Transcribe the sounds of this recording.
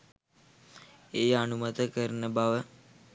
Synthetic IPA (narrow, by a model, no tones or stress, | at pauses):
eənumət̪əkəɾnəbaʋə